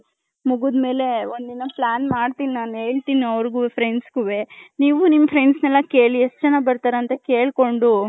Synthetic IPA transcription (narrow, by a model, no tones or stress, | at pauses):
muɡud̪me̞ːle̞ond̪inɐplaːnmaːɖt̪ininaːne̞ːɭt̪iniɐʋɾɡupʰɾeɳɖsɡuʋe̞niːʋunimːɐpʰɾeɳɖsnɛlːɐke̞ːɭieʂʈd͡ʒɐnːabɐɾt̪aːɾeɐnt̪ɐke̞ːɭko̞ɳɖu